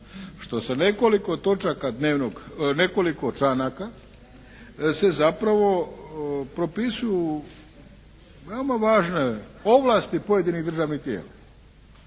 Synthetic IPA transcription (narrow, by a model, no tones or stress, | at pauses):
ʃt̪o̞sane̞ko̞liko̞t̪o̞t͡ʃakad̪neːʋnoɡne̞ko̞likot͡ʃanaka | se̞zapɾaʋo̞ | pɾo̞pisuju | ʋeomaʋaːʒneoʋlˠast̪ipo̞je̞d̪iniɣd̪r̩ʒaːʋnit̪je̞̰ːla